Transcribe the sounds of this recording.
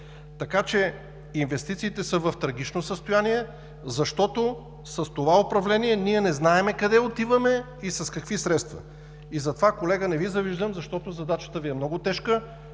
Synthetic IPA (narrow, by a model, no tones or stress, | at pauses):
t̪ɐkat͡ʃɛ | invɛst̪it̪siːt̪ɛsəvɐft̪ɾɐɡ̟it͡ʃnosəst̪ojaniɛ | zɐʃt̪ɔt̪o | sɐst̪ovaopɾɐvlɛniɛniɛnɛznaɛmɛkɐd̪ɛot̪ivəmɛ | isɐskɐkvisɾɛt̪st̪vɐ̰ | izɐt̪ovakolɛɡənɛvizɐviʒd̪əmzɐʃt̪ɔt̪ozɐd̪at͡ʃə̥t̪əviɛmnɔɡʊt̪ɛʃkə